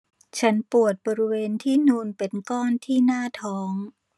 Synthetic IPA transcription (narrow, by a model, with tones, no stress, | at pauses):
t͡ɕʰa˦˥npu˨˩ət̪̚bɔː˧ɾi˦˥weː˧nt̪ʰiː˥˩nuː˧npe˧nkɔː˥˩nt̪ʰiː˥˩naː˥˩t̪ʰɔː˦˥ŋ